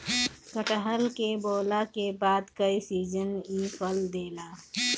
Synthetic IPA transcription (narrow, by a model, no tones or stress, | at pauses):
kəʈəɦəlkeboːlakebaːd̪kəisiːd͡ʒəniːpʰəld̪eːlaː